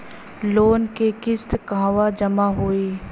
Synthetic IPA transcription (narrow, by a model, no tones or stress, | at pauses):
loːnkekɪst̪kãːʋad͡ʒəmaɦoːeː